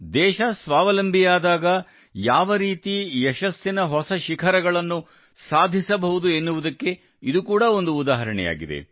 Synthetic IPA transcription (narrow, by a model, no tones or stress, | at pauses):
d̪ɛːʃɐsʋaːʋɐlɐmbʱijaːd̪aːɡɐ | jaːʋɐɾiːt̪iɛʃɐsːinɐɦɔsɐʃikʰɐɾɐɡɐɭɐnːu | saːd̪ʱisɐbɐɦud̪uenːuʋud̪ɐkːe̞ | id̪ukuːɽɐo̞nd̪uːd̪aːɦɐɾɐɳɛ̰ja̰ːɡid̪e̞̰